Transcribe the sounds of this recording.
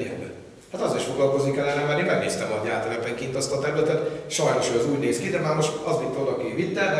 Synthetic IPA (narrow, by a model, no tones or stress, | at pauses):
ɛ̰nd̪ø̰ | hat̪ɒzeːɾiʃfo̞ɡlɒlko̞znikɛlːɛnɛmaːrnimɛɡneːst̪ɛmɒɟaːt̪ɛvɛpɛŋkiːnt̪ɒst̪ɒt̪ɛɾylɛt̪ɛt̪ʃɒjno̞ʃøːɛzuːɟneːskid̪ɛmaːrmo̞ʃt̪ɒzit̪ːɛolɒkivit̪ːɛ